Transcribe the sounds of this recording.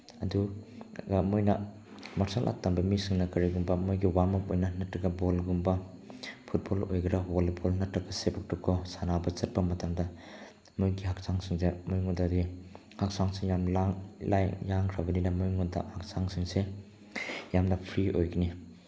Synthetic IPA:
ɐduɡamojnɐ | maɾsalʔa̰k̚tambɐmisɯŋnɐkɐɾiɡumbɐmojɡiwamɐpojnɐnɐtɾɐɡɐbolɡumbɐ | pʰut̚bolo̰jɡɐɾaɦolibolnɐtɾɐɡɐsebʰɐk̚tɔkʰːɔsanabɐt͡ʃɐt̚pɐmɐtamdɐ | mujɡihak̚saŋsɯŋzemujŋɔdadi | hak̚saŋsiŋjamlaŋlajjaŋkʰɾabɐninɐmojŋudɐ̰hak̚saŋsɯŋse | jamnɐpʰɾiojɡɐni

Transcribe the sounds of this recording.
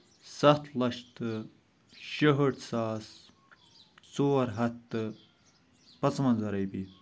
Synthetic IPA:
sɐt̪ʰlɐʃt̪ɨ | ʃɐɦəʈsaːs | t͡soːɾɦɐt̪ːɨ | pɐt͡smɐnzɐɾɐjpi

